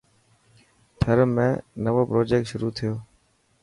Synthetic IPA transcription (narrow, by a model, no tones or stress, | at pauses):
t̪ʰəɾmẽːnəʋoːpɾoːd͡ʒeːk̚ʈʃʊɾuːt̪ʰɪjoː